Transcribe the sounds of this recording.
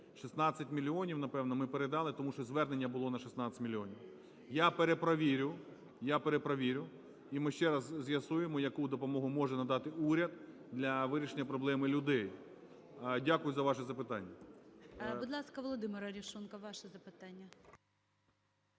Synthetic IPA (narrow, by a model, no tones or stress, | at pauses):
ʃisnɑt͡sʲɐtʲmʲilʲːiɔnʲiwnɐpɛwnɔmɪpeɾed̪ɑlˠɪt̪ɔmuʃt͡ʃɔzʋɛrnenʲːɐbʊlˠɔnɐʃisnɑt͡sʲɐ̥tʲmʲilʲiɔnʲiw | japeɾepɾɐʋʲiɾʲʊ | japeɾepɾɐʋʲiɾʲʊ | imɪʃt͡ʃɛɾɐzzʲjɐsujemɔjɐkud̪ɔpɔmɔɦʊmɔʒɛnɐd̪ɑt̪ɪuɾʲɐd̪ | d̪lʲɐʋɪɾʲiʃenʲːɐpɾɔblˠɛmɪlʲʊd̪ɛj | dʲakʊjʊzɐʋɑʃɛzɐpɪt̪ɑnʲːɐ | bud̪lˠɑskɐʋɔlˠɔd̪ɪmɪɾɐɾʲiʃunkɐʋɑʃɛzɐpɪt̪anʲːɐ